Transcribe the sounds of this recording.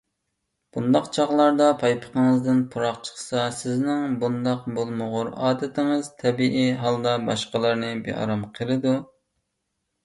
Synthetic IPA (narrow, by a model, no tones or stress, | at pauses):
b̥und̪ɑqt͡ʃʰɑʁlˠɑɾd̪ɑpʰɑjpʰə̥qʰəŋɨzd̪ɪnpʰuɾɑqt͡ʃʰə̥χsɑsɪznɪŋbund̪ɑqbolˠmʊʁʊɾɑ̰ːd̪ɪt̪ʰɪŋɨzt̪ʰɛbiʔiɦɑlˠd̪ɑbɑʃqəlˠɨɾnɨbḛɑ̰ɾɑmqʰəlˠɨd̪u